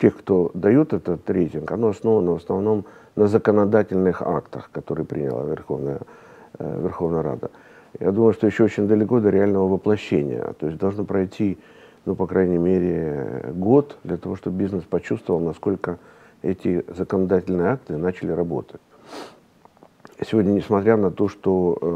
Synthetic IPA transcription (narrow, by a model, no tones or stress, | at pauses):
tʲexkt̪o̞d̪ɐjut̪ɛt̪ət̪ɾʲejtʲɪnkɐnoɐsno̞vənəvəsnɐvno̞m | nəzəkənɐd̪atʲɪlʲnɨxa̰kt̪əxkɐt̪o̞ɾɨjəpɾʲḭnʲɪ̰lˠə̰vʲɪ̰rxo̞̰vnəjə̰ | vʲɪrxo̞vnəjəɾa̰d̪ə̰ | ja̰d̪uməjʊʂt̪ojɪɕːoot͡ɕɪnʲd̪əlʲɪkod̪əɾʲɪalʲnəvəvəplˠɐɕːenʲɪ̰jə̰t̪oɪsʲd̪ɐlˠʐnopɾɐjtʲʰi | nupɐkɾajnʲɪmʲeɾʲɪɡo̞t̪d̪lʲɐt̪ɐvo̞ʂt̪obbʲiznɨspɐt͡ɕust̪vəvəlˠnɐsko̞lʲkə | ɛtʲɪzəkənɐd̪atʲɪlʲnɨjəak̚t̪ɨnat͡ɕɪlʲɪɾɐbo̞̰t̪ətʲ | sʲɪvo̞dʲnʲənʲɪsmɐt̪ɾʲanɐt̪o̞ʂt̪o